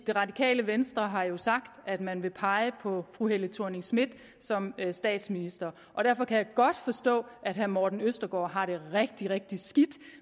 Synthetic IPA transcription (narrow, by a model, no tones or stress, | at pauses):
d̥e̝ʁɑ̈dikʰɛ̰ːləʋensd̥ʁɐɦɑ̈jo̝sɑ̈ɡ̥d̥æd̥mænʋe̝pʰɑ̈ɪəpʰɒ̽fʁuɦelət͡sʰuɐ̰neŋsmid̥ | sɒ̽msd̥ɛ̰ːd̥sminisd̥ɐ | ʔɒ̽d̥æɐfɒ̽kʰæjɑ̈ɡ̥ɒ̽d̥fɒ̽sd̥ɔ̰̽ːʔæd̥ɦæɐmɒːd̥n̩øsd̥ɐɡ̥ɒ̰ːɦɑ̈ɾ̥e̝ʁɛɡ̥̚d̥iʁɛɡ̥̚d̥isɡ̥id̥